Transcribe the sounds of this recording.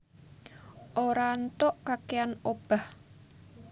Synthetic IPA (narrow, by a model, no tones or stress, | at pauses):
ʔoɾant̪ɔʔkakeanob̥a̤h